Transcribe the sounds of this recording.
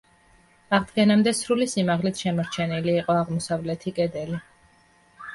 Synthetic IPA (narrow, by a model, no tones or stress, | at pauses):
aʁd̪ɡɛnamd̪ɛsɾulisimaʁlit̪ʰʃɛmɔɾt͡ʃʰɛniliːqʼɔaʁmɔsavlɛt̪ʰikʼɛd̪ɛli